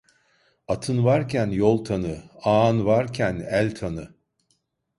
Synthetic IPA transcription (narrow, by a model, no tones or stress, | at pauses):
at̪ʰɯnvaɾcʰænjolˠt̪ʰanɯaːnvaɾcʰænælʲt̪ʰanɯ